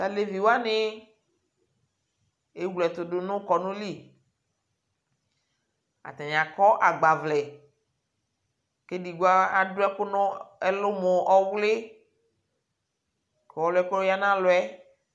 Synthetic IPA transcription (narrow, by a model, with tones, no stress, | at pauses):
ta˨le˨vi˨wa˦nɪ˦ | e˦wlɛ˨t̪ʊ˨dʊ˦nʊ̃˦kɔ˨nʊ̃˦li˦˨ | a̰˨t̪a˨ɲ˨ã˨kɔ˦ʔa˨ɡ͡ba˨vlɛ˨ | ke˦di˨ɡo˦a˦a˨dʊ˦ɛ˦kʊ˦nʊ̃˦ɛ˦lʊ˦mo˨ʔɔ˦wlɪ˦ | ke˨wɔ˦lʊ˦ɛ˦kʊ˦lʊ˦ja˦nã˦lʊ˨˦ɛ˦